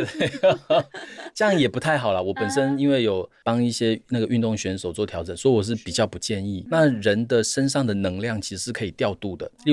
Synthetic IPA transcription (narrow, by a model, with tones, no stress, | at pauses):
t͡ɕə˥jɑ˥˩ŋjɛ˨˩pu˧˥t̪ʰa˥˩ɪxɑ˨˩ʊlɐ˦wɔ˨˩pə˨˩nʂə˦ni˥nwe˥˩ɪjo˨˩ʊpɑ˥ŋi˥˩ɕjɛ˥na˥˩ɡə˩ʔy˥˧nt̪ʊ˥˩ŋɕɥɛ˧˥nʂo˨˩ʊt͡swɔ˥˩t̪ʰjɑ˧˥ʊʈ͡ʂə˨˩nswɔ˧˥i˥wɔ˨˩ʂ̬ɻ̩˥˩pi˨˩t͡ɕjɑ˥˩ʊpu˧˥t͡ɕjɛ˥˧ni˥˨na˥˨ɻə˧˦˥nd̪ə˨ʂə˥nʂɑ˥˩ŋd̪ə˩nɤ˧˥ŋljɑ˥˩ŋt͡ɕʰi˧˥ʂ̩ɻ̩˧˥ʂɻ̩˥˩kʰɤ˧˥i˨˩t̪jɑ˥˧ʊt̪u˥˩d̪ə˩˥˧